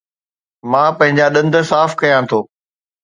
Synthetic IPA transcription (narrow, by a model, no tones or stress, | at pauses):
mãːpɐ̃ɦɪ̃ɲd͡ʑaɗɐ̃nd̪ə̆saːfkɐjãt̪ʰoː